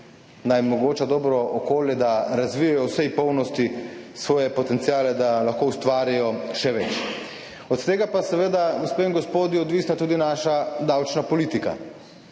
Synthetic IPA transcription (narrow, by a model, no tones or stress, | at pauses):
najmɔɡoːt͡ʃad̪ɔːbɾɔɔkoːljɛd̪aɾazʋijajɔwsɛjpɔwnɔst̪isʋɔːjɛpɔt̪ɛnt̪sijaːlɛd̪alaxkoust̪ʋaːɾijɔʃɛʋɛt͡ʃ | ɔt̪t̪eːɡapasɛʋeːd̪aɡospeiŋɡɔspoːd̪iɔd̪ʋiːsnat̪uːd̪inaːʃad̪awt͡ʃnapɔlit̪ika̰